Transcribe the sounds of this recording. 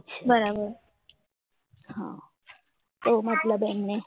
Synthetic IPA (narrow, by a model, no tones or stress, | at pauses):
bəɾabəɾ | hã̰ː | t̪omɐt̪ləbɛmne